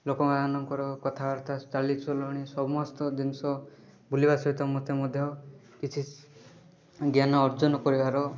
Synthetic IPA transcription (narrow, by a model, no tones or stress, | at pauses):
lokɔmad̪anɔŋkɔɾɔkɔt̪ʰabaɾt̪ʰat͡ʃalit͡ʃʰɔlɔɽ̃isɔmɔst̪ɔd̪inɔsɔ | bulibasɔɦit̪ɔmɔt̪ʰemɔd̪ʱjɔ | kit͡ʃʰi | ɡjanɔːɾd͡ʒɔnɔkɔɾibaɾɔ